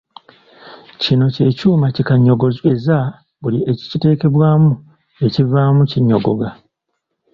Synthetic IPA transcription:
cino̞ce̞ːcuːmacikaɲːo̞ɡo̞ze̞za | βulie̞ci̥cite̞ːke̞βwaːmu | e̞civaːmuciɲːo̞ɡo̞̰ɡa

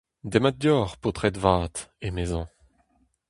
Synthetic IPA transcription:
d̪emat̪̚d̪jɔːʁpot̪χɛt̪vaːt̪emezɑ̃

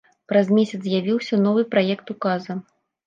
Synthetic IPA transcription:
pɾazmʲesʲɐt̪zzʲjavʲiwsʲɐnɔvɨpɾajɛkt̪ukazɐ

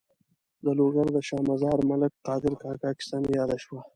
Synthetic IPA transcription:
d̪əloːɡaɾd̪əʃɑːmazɑːɾmalək̚qɑːd̪ɪɾkɑːkɑːkɪ̥st̪ɑːnjɑːd̪aʃwa

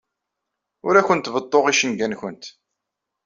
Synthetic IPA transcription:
ʊɾæçənt̪ːvət̪ˤːoʁiʃənɡænçənt̪

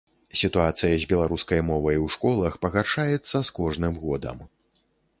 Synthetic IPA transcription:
sʲit̪uat̪sɨjɐzʲbʲɛlˠaɾuskɐjmɔvɐjwʂkɔlˠɐxpɐɣarʂajɛt̪sːɐskɔʐnɨmɣɔd̪ɐ̰m

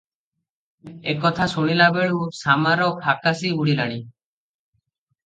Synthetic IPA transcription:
ekɔt̪ʰasuɽ̃ilabeɭusamaɾɔkʰakasibuɽilaɽ̃i

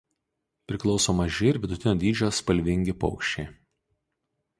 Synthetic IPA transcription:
pʲɾʲɪklˠɒʊsoːmɐʒʲɪɪɾʲʋʲɪd̪ʊt̪ʲɪnoːd̪ʲiːd͡ʒʲoːspɐlʲʋʲɪŋʲɡʲɪpɔ̰ʊkʃʲt͡ʃʲeɪ

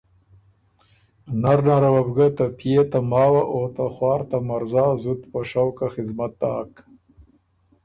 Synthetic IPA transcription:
naɾnaɾawabɡat̪apʰijet̪amɑːwaʔot̪axwɑːɾt̪amaɾzɑːzut̪paʂawkaxɪzmat̪̚ːɑːk

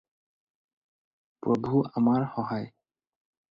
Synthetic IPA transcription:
pɹɔbʱuamaɹxɔɦaj

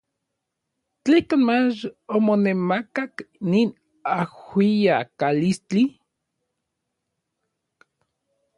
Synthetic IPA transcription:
t͡ɬehkanmat͡ʃomonemakaknin | ahwijakalist͡ɬi

